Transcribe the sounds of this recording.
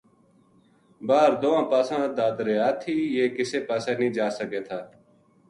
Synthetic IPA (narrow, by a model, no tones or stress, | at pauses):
baːɾd̪oːãːpaːsãːd̪aːd̪ɾeːaːt̪ʰiːjeːkɪseːpaːseːnĩːd͡ʒaːsəkeːt̪ʰaː